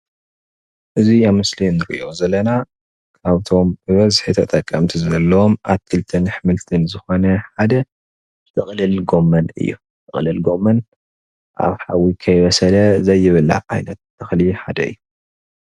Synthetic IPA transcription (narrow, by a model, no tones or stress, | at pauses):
ʔɨziaβmɨslinɨɾḭʔʔo̞zɐlːɐna | kʰaβt̪ʰo̞mbɨβɐzħit̪ʰɐt̪ʼɐkʼːɐmt̪ʰizɐlːɐwomʔa̰βt̪ʰɨlt̪ʰɨnħɨmɨlt̪ʰɨnzɨxo̞nɐħad̪ɐ | zɨ̥t̪ʰɨχʼlɨlɡo̞mːɐnɨ̰jːṵ | t̪ʰɨχʼlɨlɡo̞mːɐn | ʔa̰βħawikʰɐjβɐsɐlɐzɐjːɪβɨla̰ʔa̰jnɐt̪̚t̪ʰːɐxlɨħad̪ɐɨ̰jːu